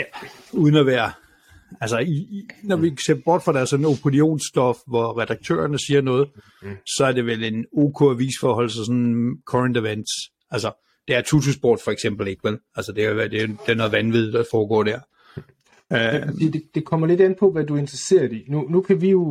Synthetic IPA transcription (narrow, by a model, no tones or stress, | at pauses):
jæ | uːð̞ˠən̩æʋæːɐ | ælsəinɒʋiseɐb̥ɒ̰ːd̥fʁɑ̈d̥æɐsɒ̽nəo̝pʰo̝lio̝̰ːnsd̥ɒ̽fʋɒʁɛd̥ɑ̈ɡ̥̚t͡sʰø̰ːɐnəsiːɐnɔ̽ːð̞̩ˠ | sɒ̽æɐd̥e̝ʋele̝no̝ːkʰɔ̝æʋḭsfɒːɦɒ̽l̰sɑs̬ɒ̽n̩kʰɒʁənd̥eʋen̰d̥s | ælsə | d̥eæɐt͡sʰut͡sʰusb̥ɒ̰ːd̥fɒ̽eɡ̥sem̰b̥l̩e̝ɡ̥ʋelælsəd̥e̝kʰæʋæɐd̥ed̥e̝æno̽ːðˠʋænʋið̞ˠd̥ɑ̈fɒːɡ̥ɒ̰ːd̥æɐ̰ | ø̥ḭːd̥ed̥e̝kʰɒm̰ɐle̝denpʰɒ̽ʋædue̝nd̥ʁɐse̝̰ːɐdinunukʰæʋijo̝